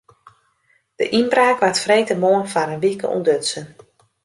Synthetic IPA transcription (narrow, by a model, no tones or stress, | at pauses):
d̥ə̰ʔinbraːkʋatfrejtəmoənfaɾənʋikə̰ʔṵndøtsən